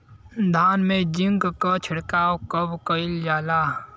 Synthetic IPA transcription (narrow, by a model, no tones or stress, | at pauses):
d̪ʱaːnmẽd͡ʒɪŋɡkət͡ʃʰɪɽkaːokəbkəɪld͡ʒaːlaː